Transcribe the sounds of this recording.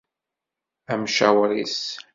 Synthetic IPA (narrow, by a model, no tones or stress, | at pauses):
æmʃæ̰wɾis